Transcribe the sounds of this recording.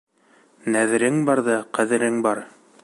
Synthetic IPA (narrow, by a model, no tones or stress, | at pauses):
næðɘ̆ɾɘŋbɑɾðɑqæðɘ̆ɾɘŋbɑɾ